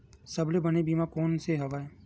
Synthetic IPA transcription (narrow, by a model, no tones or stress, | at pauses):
sɐblebɐnebiːmakɔːnseɦɐʋaːe